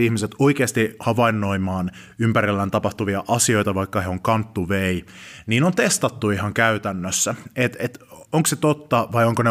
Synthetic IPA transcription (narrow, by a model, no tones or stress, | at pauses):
ihmiset̪oikeːst̪ihɑʋɑinːo̞imɑːn | ympæɾilːænt̪ɑpɑht̪uʋiɑʔɑsio̞it̪ɑʋɑikːɑheoŋkɑnt̪ːuʋeiniːnont̪est̪ɑt̪ːuihɑŋkæyt̪ænːøsːæet̪et̪oŋkset̪ot̪ːɑʋɑjoŋkone